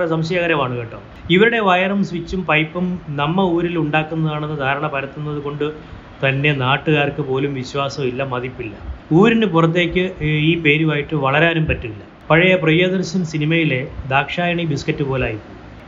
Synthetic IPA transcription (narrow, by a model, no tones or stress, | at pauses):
rɐsɐmɕɐjaːɣɐɾɐʋaːɳuɣeʈːoːm | iʋiɾuɽe̞ʋɐjɐrɐmsʋit͡ɕːumpɐjpːɐmnɐmːɐuːɾiluɳɖaːkːunːɐðaːɳe̞nːɨd̪ʱaːɾɐɳɐpɐɾɐt̪ːunːɐðuko̞ɳɖɨ | t̪ɐnːe̞naːʈːuɣaːrkɨpo̞ːlumʋiɕwaːsɐmilːɐmɐðipːilːɐuːɾinɨpurɐt̪̬ːe̞ːkʲːɨiːpe̞ːɾumaːjiʈːɨʋɐɭɐɾaːnumpɐtːuilːɐ | pɐɻɐjɐprɐjoːd̪ɐrɕɐnsinimɐjile̞d̪aːkʂaːjɐɳibiskɐtːɨpo̞ːlaːjitːu